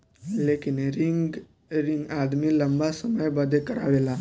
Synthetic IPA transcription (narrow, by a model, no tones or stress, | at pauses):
lekinɾiŋɡ | ɾiŋɡad̪miːləmbasəməjbəd̪ʱekəɾa̰ʋela